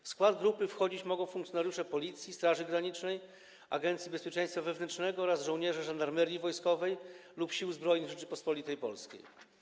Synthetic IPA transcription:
fskwad̪ɡɾupɘfxɔd͡ʑit͡ɕmɔɡɔ̃w̃fuŋkt̪jɔnaɾjuʂɛpɔlʲit̪sʲjist̪ɾaʐɘɡɾaɲit͡ʂnɛj | a̰ɡɛnt̪sʲibɛspʲjet͡ʂɛ̃j̃st̪favɛvnɛntʂnɛɡɔɔɾazʐɔ̃w̃ɲɛʐɛʐand̪aɾmɛɾʲjivɔjskɔvɛjlupɕiwzbɾɔjniɣʐɛt͡ʂɘpɔspɔlʲit̪ɛjpɔ̰lskʲḛj

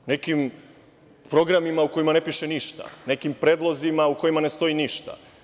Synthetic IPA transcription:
ne̞kim | pɾo̞ɡɾamimauko̞jimane̞piʃeniʃt̪a̰ne̞kimpɾe̞ːd̪lˠozimauko̞imane̞st̪o̞iniʃt̪a̰

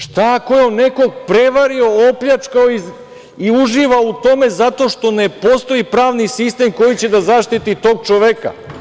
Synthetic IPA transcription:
ʃt̪akojeone̞ko̞ɡpɾe̞ʋaɾio̞opʎat͡ʃkaoi | iuʒiʋaout̪o̞me̞zat̪o̞ʃt̪o̞ne̞po̞st̪o̞ipɾaːʋnisist̪e̞mko̞jit͡ɕe̞d̪azaʃt̪it̪it̪o̞ːɡ̚t͡ʃoʋeka̰

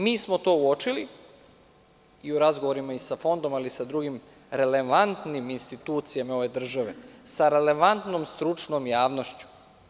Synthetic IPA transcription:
miːsmo̞t̪o̞ːuo̞t͡ʃili | iuɾazɡoʋoɾimaisafo̞nd̪o̞malisad̪ɾuɡim | ɾe̞le̞ʋant̪niminst̪it̪uːt̪sijamao̞ʋe̞d̪r̩ʒaʋe̞saɾe̞le̞ʋant̪nomst̪ɾut͡ʂnomjaːʋno̞ʃt͡ɕu̥

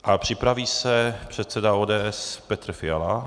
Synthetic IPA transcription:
ʔapr̝̥ɪpɾaviːsɛpr̝̥ɛt̪sɛdaoːdɛːʔɛspɛt̪ɾ̩fɪala̰

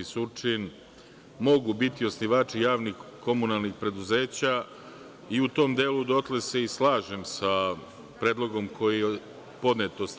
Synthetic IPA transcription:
isut͡ʂin | mo̞ɡubit̪io̞sniʋaːt͡ʃijaːʋnixko̞munalˠnixpɾe̞d̪uze̞ːt͡ɕa | iut̪o̞ːmd̪eːlud̪o̞t̪lese̞islˠaːʒemsa | pɾe̞ːd̪lˠo̞ɡo̞mkʰo̞ji | po̞d̪net̪os

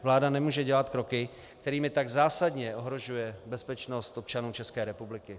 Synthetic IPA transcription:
vlaːdanɛmuːʒɛɟɛlat̪kɾo̞kɪ | kt̪ɛɾiːmɪt̪aɡzaːsadɲɛo̞ɦɾo̞ʒujɛbɛspɛt͡ʃno̞st̪ʔo̞p̚t͡ʃanuːt͡ʃɛskɛːɾɛpublɪkɪ

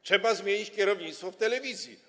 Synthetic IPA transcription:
t͡ʂʂɛbazmʲjeɲit͡ɕkʲɛɾɔvɲit̪st̪fɔft̪ɛlɛvʲizʲji

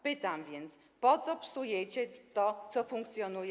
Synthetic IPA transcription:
pɪt̪amvʲjɛnt̪s | pɔt̪sɔpsujɛt͡ɕɛt̪ɔt̪sɔfuŋkt̪sjɔnuj

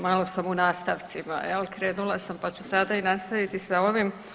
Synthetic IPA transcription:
malo̞samunaːst̪aʋt̪sima̰jelkɾeːnulˠasampat͡ɕusad̪ainast̪aʋit̪isao̞ʋim

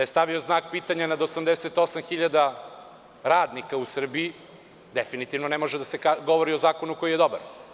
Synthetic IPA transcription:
ajest̪aʋio̞znaːk̚piːt̪aɲanad̪osamd̪eset̪o̞samxiʎad̪a | ɾaːd̪nikausr̩bii | d̪efinit̪iʋnonemo̞ʒed̪asekaɡoʋo̞ɾio̞zaːko̞nuko̞jijed̪o̞ba̰ɾ

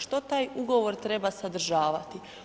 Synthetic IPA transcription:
ʃt̪o̞t̪aːjuɡo̞ʋoɾt̪ɾe̞basad̪ɾ̩ʒaːʋat̪i

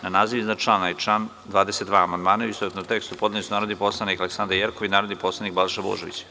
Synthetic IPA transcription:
nanaːziʋiznat͡ʃlanajt͡ʃlan | d̪ʋaːd̪eset̪d̪ʋaːmand̪maːnauist̪ozet̪not̪ekst̪upo̞d̪lenisunaːɾod̪niposlˠanikaleksand̪ɾaɾjeɾkoʋinaːɾod̪nipoːslˠanik̚balʃabo̰ʒeʋḭt͡ɕ

